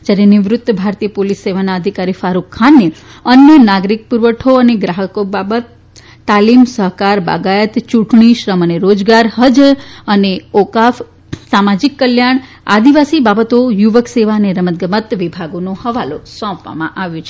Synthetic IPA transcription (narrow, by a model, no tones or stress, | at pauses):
d͡ʒjaɾeniʋɾʊt̪ːbʱaɾt̪ijəpolisːeʋanaəd̪ʱikaɾifaɾukʰːanːe | ənjənaɡɾik̚puɾʋəʈʰoəneɡɾaɦəkobabət̪ː | alimsəɦkaɾba̰ɡajət̪t͡ʃuʈɳiʃɾəməneɾod͡ʒɡaɾhəd͡ʒəneokaf | samad͡ʒikːəljaɳ̃ | a̰d̪iʋasibabət̪ojuʋəkseʋaəneɾəmət̪̚ɡəmət̪ʋibʱaɡonohəʋalosɔ̃pʋa̰mã̰ʔaʋjũt͡ʃʰe